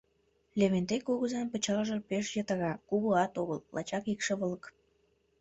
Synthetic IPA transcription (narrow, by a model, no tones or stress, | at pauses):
leβent̪ekːoɣəzɑmpə̆t͡ɕɑlʒɤpeʃjət̪ɑɣɑkuɣoɑt̪oɣəlːɑ̰t͡ɕɑkikʃeβələk